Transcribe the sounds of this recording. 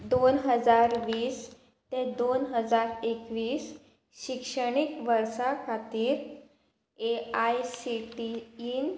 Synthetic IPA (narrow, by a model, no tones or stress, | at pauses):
d̪onɦəd͡zaɾʋiːs | t̪ẽd̪onɦəd͡zaɾekʋiːs | ɕikʂəɽikʋəɾsakʰat̪iːɾ | eajsiʈiːn